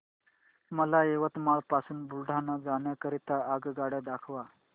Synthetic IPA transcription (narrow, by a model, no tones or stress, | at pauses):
məlaeʋət̪maɭpasuːnbulɖʱanad͡zaɳjakəɾit̪aaɡɡaɽjad̪akʰʋa